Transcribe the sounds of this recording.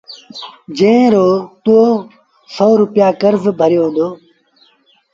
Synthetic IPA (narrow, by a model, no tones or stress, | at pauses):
d͡ʒə̃ɪ̃ɾoːt̪ooː | soːɾʊpɪjaːkəɾzbʱəɾjoːɦõnd̪oː